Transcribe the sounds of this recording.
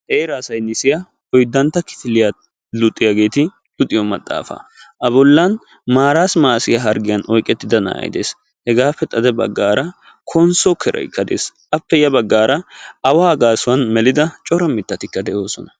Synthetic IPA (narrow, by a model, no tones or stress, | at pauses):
ʔeːɾɐːsɐjnɪsɪjɐ | ɔjd̪ːɐnt̪ːɐkɪ̥t̪ɪlɪja | lʊt̪ʼːɪjɐɡe̞ːt̪ɪ | lʊt̪ʼːɪjɔmɐt̪ʼːa̰ːfa̰ʔɐbɔlːɐn | maːɾaːsmaːsɪjɐɦɐɾɡɪjɐnʔɔjkʼːɛt̪ːɪd̪ɐna̰ːɐ̰jɪ̰d̪e̞̰ːs | hɛɡaːfːɛt̪ʼɐd̪ɛbɐ̰ɡːaːɾɐ | kʰɔnsɔkʰɛɾʔɐ̰jɪkːɐd̪ḛːsʔɐpːɛjɐbɐɡːaːɾʔɐɐwaːɡaːsʊwɐnmɛlɪd̪ɐt͡ʃʼɔɾɐmɪt̪ːɐt̪ɪkːɐd̪ɛʔo̞ːsɔnɐ